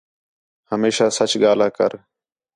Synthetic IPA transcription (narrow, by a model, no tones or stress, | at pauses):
həmeːʃaːsət͡ʃɠaːlaːkə̰ɾ